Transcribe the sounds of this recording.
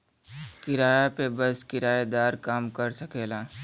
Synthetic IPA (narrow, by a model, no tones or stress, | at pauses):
kɪɾaːjapebɐskɪɾaːed̪aːɾkaːmkɐɾsɐkeːlaː